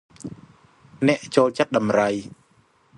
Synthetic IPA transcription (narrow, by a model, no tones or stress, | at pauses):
nɛ̆əʔt͡ɕoːlt͡ɕət̪̚ɗɑmrəj